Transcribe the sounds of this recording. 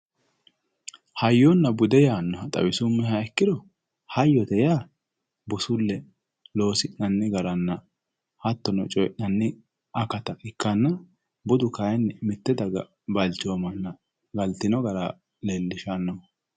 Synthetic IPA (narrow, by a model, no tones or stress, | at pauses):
hɐjːonːɐbʊd̪ɛjaːnːɔɐt̪ʼɐ̰wɪsʊmːɛhɐɛkːɪd̪ɔ | hɐjːɔt̪ɛjaː | bɔsʊlːɛ | lo̞ːsɪʔnɐnːɪɡɐɾɐnːɐ | hɐt̪ːɔnɔt͡ʃʼɔjʔnɐnːɪ | ɐkɐt̪ɐɪkːɐnːɐ | bɔd̪ʊkaɛnːmɪt̪ːɛd̪ɐɡɐ̰ | bɐlt͡ʃːɪomɐnːɐ | ɡɐlt̪ɪnɔɡɐɾa | leːlːɪʃaːnːɐmɐ